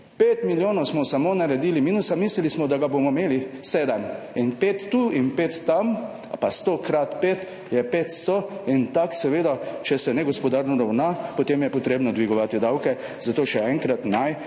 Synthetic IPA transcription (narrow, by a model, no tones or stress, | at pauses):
pet̪miljoːnɔwsmɔsamonaɾɛd̪iːlimiːnusamiːslilismɔd̪aɡabomɔmeːliseːd̪ɛm | inpet̪ːuinpet̪ːam | past̪okɾat̪pet̪ | jɛpet̪st̪oint̪aksɛʋeːd̪at͡ʃɛsɛnɛɡɔspɔd̪aɾnɔɾawnapot̪emjɛpɔt̪ɾeːbnɔd̪ʋiɡɔʋaːt̪id̪awkɛ | zat̪oːʃɛɛŋkɾat̪naj